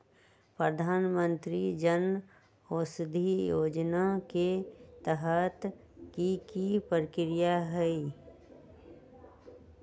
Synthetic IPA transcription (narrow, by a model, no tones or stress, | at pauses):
pɾəd̪ʱaːnmə̃nt̪ɾid͡ʒən | oːsd̪ʱijoːd͡ʒnaket̪əɦət̪ | kikipɾkɾijaɦɛi